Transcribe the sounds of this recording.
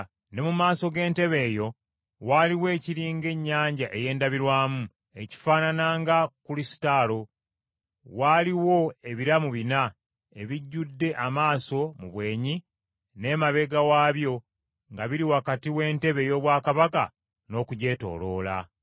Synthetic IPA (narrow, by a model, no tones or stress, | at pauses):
ne̞mumaːso̞ɡe̞ːnte̞βe̞ːjo̞ | waːliwe̞ːciɾiːŋɡe̞ɲːaːɲɟaʔe̞je̞ːndaβiɾwaːmu | e̞ci̥faːnanaːŋɡakulisi̥talo̞ | waliwo̞e̞βiɾamuβina | e̞βiɟːudːe̞ʔamaːso̞muβwe̞ːɲi | ne̞maβe̞ɡawaːβjo̞ | ŋɡaβiɾiwakatiwe̞ːnte̞βe̞jo̞βwaːkaβaka̰ | no̞ːkuɟe̞ːto̞̰ːlo̞̰ːla̰